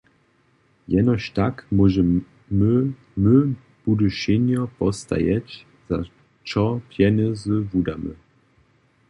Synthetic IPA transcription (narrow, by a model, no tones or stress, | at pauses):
jɛnɔɕt̪akmɔʒɛ | mə | mə | b̥udəʃenjɔpɔst̪a̰jɛt͡ɕ | z̥a̰ | t͡ʃɔpjɛnəzəvudamə̰